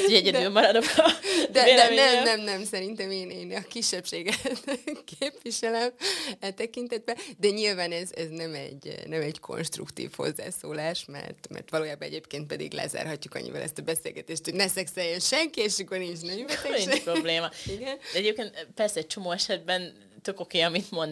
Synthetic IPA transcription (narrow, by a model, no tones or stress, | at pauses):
ɛɟɛd̪ylmɒɾɒd̪okdd̪ɛd̪ɛnɛmnɛmnɛmsɛɾint̪ɛmeːneːnɒkiʃːɛpʃeːɡɛt̪keːpʋiʃɛlɛmɛt̪ɛkint̪ɛd̪̚bɛd̪ɛɲilvaːnɛzɛznɛmɛ̰ɟnɛmɛɟkʰo̞̰nʃt̪rṵkt̪ḭːfho̞̰zːa̰ːsoːlaːʃmɛ̰rt̪mɛ̰rt̪ʋɒloːjaːbɒɛ̰ɟeːpkeːnt̪pɛd̪ḭɡlɛ̰za̰ːrɦɒcːukɒ̰ɲːḭvɛ̰lʔɛ̰st̪ɒbɛseːlɡɛt̪eːʃt̪hoɟnɛsɛksɛjɛnʃɛŋkieʃɒkornint͡ʃnɛmvɛt̪ɛiɛpɾobleːmɒiɡɛndɛɛɟeːp̚keːnt̪pɛrsɛɛc̚t͡ʃo̞moːɛʃɛd̪̚bɛn | t̪økokeːɒmint̪mon